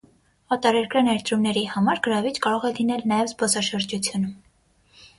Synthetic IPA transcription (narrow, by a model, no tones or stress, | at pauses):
ɑt̪ɑɾɛɾkɾɑnɛɾt̪ɾumnɛɾihɑmɑɾɡəɾɑvit͡ʃkɑɾɔʁɛlinɛlnɑjɛvzbɔsɑʃəɾd͡ʒut͡sʰjunum